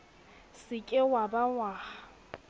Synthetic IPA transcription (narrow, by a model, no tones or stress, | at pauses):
sɪkʼɪwabawaː